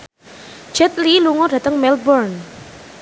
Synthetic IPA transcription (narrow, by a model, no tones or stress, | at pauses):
d͡ʒɛt̪liluŋɔdä̤t̪əŋmɛlbɔrn